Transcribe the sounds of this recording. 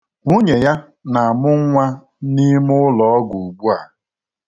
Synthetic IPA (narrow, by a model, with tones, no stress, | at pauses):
ŋu˦ɲe˨ja˦ | na˨a˨mʊ˦ŋ˦ŋʷa˦ | ni˦mʊ˦lɔ˨ɔ˦ɡu˨u˨ɡ͡bu˦a̰˨